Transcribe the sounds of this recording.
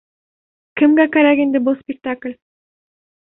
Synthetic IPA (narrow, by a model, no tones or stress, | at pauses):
kɪ̆mɡækæɾækiend̪ɘbʊlˠspʲɪk̚t̪aklʲ